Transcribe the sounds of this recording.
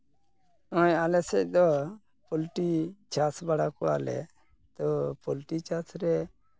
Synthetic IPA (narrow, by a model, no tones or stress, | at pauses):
ɔjalɛsɛd̪ɔ | polʈit͡ʃasbaɽakua̰ːlɛ̰ | t̪ɔpolʈit͡ʃasɾɛ